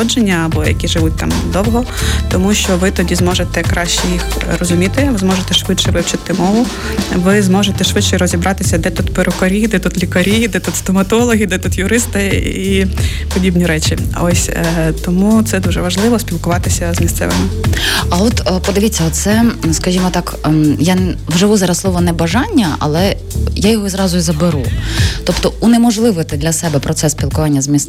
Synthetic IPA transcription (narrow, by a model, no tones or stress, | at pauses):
ɔd͡ʒenʲːɐːbɔjɐ̰kʲiʒɪʋut̚ʲt̪ɑ̰md̪ɔwɦɔ | t̪ɔmuʃt͡ʃɔʋɪt̪ɔdʲizmɔʒet̪ɛkɾɑʃt͡ʃɛjixrɔzʊmʲit̪ɪʋɪzmɔʒet̪ɛʃʋɪt͡ʃɛʋɪwt͡ʃɐt̪ɪmɔʋʊ | ʋɪzmɔʒet̪ɛʃʋɪt͡ʃt͡ʃːɛɾɔzʲibʔɑt̪ɪsʲɐd̪ɛt̪ut̪pɪɾʔɔkɔɾʲid̪ɛt̪ut̪lʲikɐɾʲid̪ɛt̪ut̪st̪ɔmɐt̪ɔlˠɔɦʲid̪ɛt̪ut̪jʊɾɪst̪ɪi | pɔdʲibnʲiɾɛt͡ʃʲiɔsʲt̪ɔmut̪sɛd̪uʒɛʋɐʒlˠɪʋɔsʲpʲilˠkʊʋɑt̪ɪsʲɐzmʲist̪sɛ̰ʋɪ̰mɪɐɔt̪pɔd̪ɪʋʲit͡sʲːɐɔt̪t̪sɛskɐʒʲimɔt̪ɑkjanwʒɪʋuzɑɾɐslˠɔʋɔnɛbɐʒɑnʲːɐɐ̰lˠɛ | jajɔɦɔizɾɑzʊjizɐbeɾut̪ɔpt̪ɔunɛmɔʒlˠɪʋɔt̪ɪd̪lʲɐsɛbɛpɾɔt̪sɛsʲpʲilˠkʊʋɑnʲːɐzmʲis